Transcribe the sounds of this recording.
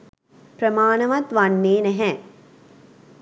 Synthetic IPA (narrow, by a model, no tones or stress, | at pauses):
pɾəmaːnɐʋɐt̪ʋanːeːnɛɦɛ